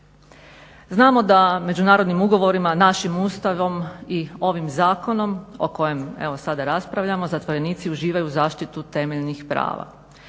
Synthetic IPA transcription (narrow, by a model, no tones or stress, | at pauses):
znaːmo̞d̪ame̞d͡ʑunaːɾo̞d̪nimuɡo̞ʋo̞ɾimanaʃimuːst̪aʋo̞mio̞ʋimzaːko̞no̞mo̞̰ko̞je̞me̞ʋo̞sad̪aɾaspɾaʋʎamo̞zat̪ʋo̞ɾe̞niːt̪siuʒiːʋajuzaːʃt̪it̪ut̪e̞meʎnixpɾa̰ːʋa̰